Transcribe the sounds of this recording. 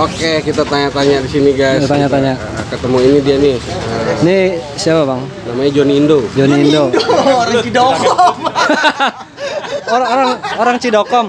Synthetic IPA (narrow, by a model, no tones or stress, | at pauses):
okekit̪at̪aɲaʔt̪aɲaʔdisiniɡajst̪aɲaʔt̪aɲaʔ | kət̪əmuinidianiəni | siapabaŋ | namaɲad͡ʒoniːndod͡ʒoniːndooɾaŋt͡ʃidokɔm | oɾaŋoɾaŋoɾaŋt͡ʃidokɔm